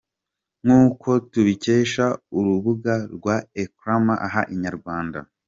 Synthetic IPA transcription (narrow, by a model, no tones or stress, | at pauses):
ŋuːkʰo̞tuβiceːʃauɾuβuɡaɾɡwaekɾamaʔaɦaʔiɲaɾɡwaːnda̰